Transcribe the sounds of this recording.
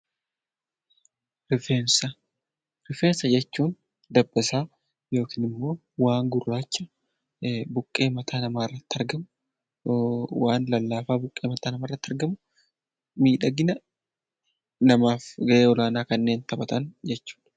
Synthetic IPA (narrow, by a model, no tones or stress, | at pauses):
ɾɪfeːnsɐ | ɾɪfe̞ːnsɐd͡ʒɛt͡ʃːuːn | d̪ɐbʼːɛsaː | jo̞ːkiːnɪmːo̞ː | waːŋɡʊrːaːt͡ʃːɐ | bʊkʼːe̞ːmɐt̪ʰaːnɐmaːɪrːɐt̪ːɐɾɡɐmʊ | waːnlɐlːaːfaːbʊkʼːe̞ːmɐt̪ʰaːnɐmaːrːɐt̪ːɐɾɡɐmʊ | miːᶑɐɡɪnɐ | nɐmaːfɡɐʔeːɔlaːnaːkɐnːe̞ːnt̪ɐbɐt̪ɐnd͡ʒɛt͡ʃːu̥ːᶑɐ